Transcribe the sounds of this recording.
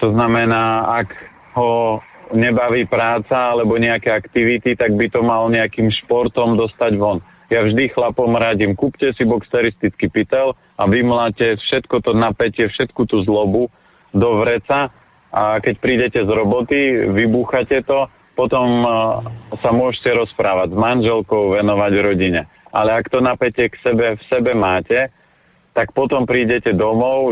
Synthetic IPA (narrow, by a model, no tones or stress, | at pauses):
t̪ɔznamɛnaːaɡ | ɦɔ | ɲɛbaʋiːpɾaːt͡saalɛbɔɲɛakɛakt̪iʋit̪it̪aɡ̚bit̪ɔmalɲɛakiːmʃpɔɾt̪ɔmd̪ɔst̪aɟʋɔn | javʒd̪ixlapɔmɾaɟimkuːpcɛsibɔkst̪ɛɾist̪it͡skipit̪ɛl | aʋimlacɛfʃɛt̪kɔt̪ɔnapɛcɪɛfʃɛt̪kut̪uːzlɔbu | d̪ɔʋɾɛt͡sa | akɛcpɾiːɟɛcɛzɾɔbɔt̪iʋibuːxacɛt̪ɔ | pɔt̪ɔm | samʊɔʒcɛɾɔspɾaːʋaɟzmanʒɛlkɔʊʋɛnɔʋaɟɾɔɟiɲɛ | ʔa̰lɛakt̪ɔnapɛcɛksɛbɛfsɛbɛmaːcɛ | t̪akpɔt̪ɔmpɾiːɟɛcɛd̪ɔmɔʊ